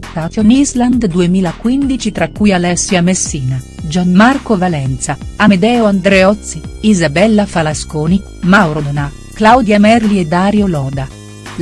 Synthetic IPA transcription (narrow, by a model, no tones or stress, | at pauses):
at̪jonizland̪d̪uemiːlakwind̪it͡ʃit̪ɾakːujalɛsːjamesːiːnad͡ʒanmarkovalɛnt̪saamed̪ɛːoand̪ɾɛɔt̪sːiizabɛlːafalaskoːni | mawɾod̪na | klawd̪jamɛrlied̪aːɾjolɔːd̪a